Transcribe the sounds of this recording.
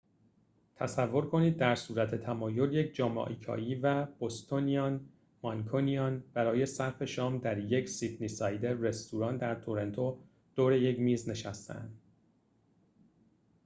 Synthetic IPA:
t̪ʰæsævːo̞ɾkʰo̞niːd̪̚ːæɾsuːɾæt̪ʰe̞t̪ʰæmɒːjo̞lje̞cʰd͡ʒɒːmɒ̰ːʔikʰɒ̰ːjiːvæb̥ost̪ʰoniɒn | mɒnkʰoniɒnb̥æɾɒːje̞sæɾfe̞ʃɒːmd̪æɾje̞csid̪nisɒːjd̪eːe̞st̪ʰuɾɒːnd̪æɾt̪ʰoɾe̞nt̪ʰo̞ | d̪̥oːɾe̞je̞cmiːzne̞ʃæst̪ʰæ̰æ̰nd̪

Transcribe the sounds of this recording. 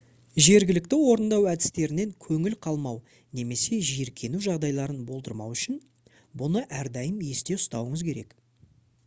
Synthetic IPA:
ʒe̞ɾɡʲɪlɪk̚t̪ɪwo̞ɾənd̪ɑwæd̪ɪ̥st̪e̞ɾɪne̞ŋkʲʰɵŋɪlqʰɑlˠmɑw | ne̞me̞se̞ʒeɾkʲʰe̞nuʒɑʁd̪ɑjlˠɑɾənbo̞lˠd̪əɾmɑ̰wʏʃɪn | bʊnəʔæɾd̪ɑjəmje̞st̪e̞ʊst̪ɑwəɴəzkʲʰe̞ɾe̞̰k

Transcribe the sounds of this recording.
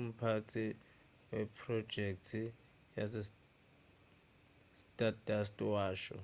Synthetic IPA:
m̩pʰat͡sʰʼi | wɛpʰrɔ̥d͡ʒʱɛk̚tʰi | jasɪ | stʼatʼastʼwaːʃɔ̰

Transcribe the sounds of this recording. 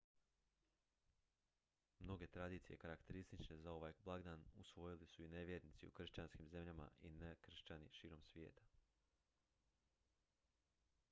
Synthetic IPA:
mno̞ɡe̞t̪ɾad̪iːt̪sije̞̰kaɾakt̪e̞ɾist̪it͡ʃne̞zao̞ʋajblˠaɡd̪anusʋo̞jilisuineʋʲjeɾnit̪sḭṵkr̩ʃt͡ɕanskimze̞mʎama̰ʔinekr̩ʃt͡ɕanḭʃiːɾo̞msʋje̞̰ːt̪ḁ

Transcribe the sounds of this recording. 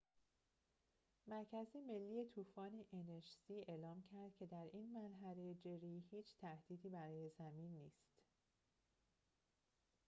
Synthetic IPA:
mæɾcʰæzime̞lːiːet̪ʰuːfɒːneʔeneʃsiːe̞ːlɒːmcʰæɾd̪̥̚cʲʰe̞d̪æɾiːnmænɦæɾejed͡ʒeɾiːhiːt͡ʃʰt̪ʰæhd̪̥iːd̪iːbæɾɒːje̞zæmiːnːiːst̪

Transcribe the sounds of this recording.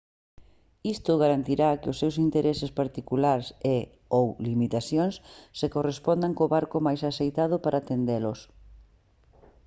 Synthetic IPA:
ist̪ʊɣaɾant̪iɾakɪʊsːewsint̪eɾesespaɾt̪ikulaɾse | owlimit̪aθjoŋsːekorespɔnd̪aŋkoβaɾkʊmajsasejt̪að̞ʊpaɾʔaːt̪end̪elʊs

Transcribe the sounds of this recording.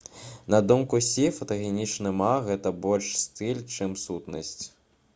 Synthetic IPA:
nɐd̪umkusʲifɐt̪ɐɣʲɛnʲit͡ʂnɨmaɣɛt̪ɐbɔlʲʂst̪ɨlʲt͡ʂɨmsut̪nɐ̰sʲt͡sʲ

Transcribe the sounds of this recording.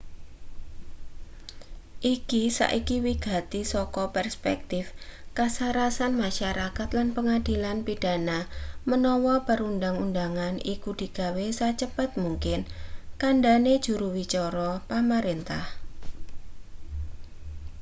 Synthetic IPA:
ʔikisa̰ʔikiwiɡ̥a̤t̪isɔkɔpərspɛk̚t̪ɪfkasaɾasanmaʃaɾakat̪lanpəŋad̥i̤lanpid̥a̤namənɔwɔpəɾundaŋundaŋanikud̥i̤ɡ̥a̤wesat͡ʃəpat̪̚muŋkɪnkanɖaned̥ʒ̥uɾuwit͡ʃɔɾɔpaməɾint̪ah

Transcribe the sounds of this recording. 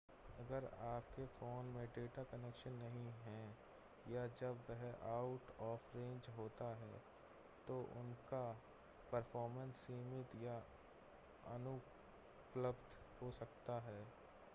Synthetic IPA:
ɐɡəɾaːp̚kefoːnmẽɖeːʈakənekʃənːɐɦĩɦɛ̃ | jad͡ʒɐbːɛɦʔaːʊʈɔːfɾẽːɲd͡ʒɦoːt̪aɦɛː | t̪oʔʊ̰nka | pɐɾfʰɔːɾmə̃nsːiːmɪt̪ja | ɐnʊ | pləbd̪ | hoːsɐk̚t̪aɦɛː

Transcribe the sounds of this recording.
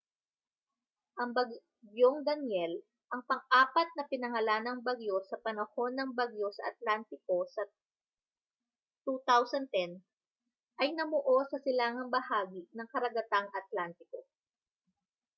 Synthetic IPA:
ʔɐŋbɐɡ | ɡjoŋd̪ɐnjɛl | ʔɐŋpɐŋʔaːpɐt̪̚nɐpɪnɐŋɐlaːnɐŋbaɡjo̞sɐpɐnɐho̞nːɐŋbaɡjo̞sɐ̰ʔɐt̪̚lant̪ɪko̞sɐ | t̪ut̪awsɐnt̪ɛn | ʔɐjnɐmoʔo̞sɐsɪlaːŋɐŋbɐhaːɡinɐŋkɐɾɐɡɐt̪aŋʔɐt̪̚lant̪ɪko

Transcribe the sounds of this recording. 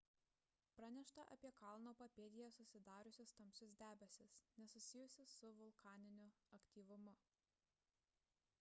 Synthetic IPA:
pɾɑnʲɛʃt̪ɐʔɐ̰pʲiɛkɑˑlˠnoːpɐpʲeːd̪ʲɪjɛsʊsʲɪd̪ɑːɾʊsʲʊst̪ɐmʲsʲʊs̬ʲd̪ʲæːbʲɛsʲɪsnʲɛsʊsʲɪjʊsʲɪsːʊʋʊlˠkɑːnʲɪnʲʊɐkʲt̪ʲiːʋʊmʊ

